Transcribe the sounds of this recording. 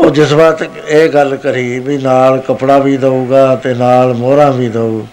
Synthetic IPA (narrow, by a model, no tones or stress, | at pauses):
oːd͡ʒɪsbaːt̪ | eːɡəlkəɾiːbiːnaːlkəpɽaːʋiːd̪əuːɡaːt̪eːnaːlmoːɾãːbiːd̪əuː